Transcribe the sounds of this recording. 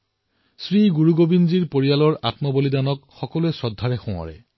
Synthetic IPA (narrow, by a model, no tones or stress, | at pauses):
sɹiɡuɹuɡobinziɹpoɹijalɔɹʔa̰tmɔbolidanɔkxɔkɔluɛsɔdʱːaɹɛxʊ̃wa̰ɹɛ̰